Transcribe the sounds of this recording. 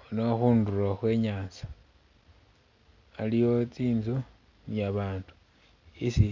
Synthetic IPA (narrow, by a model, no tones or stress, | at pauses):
onoxuːnduraxwe̞ːɲaːnsḁ | alijo̞t͡siːnzo | nijaβaːndu̥ | isi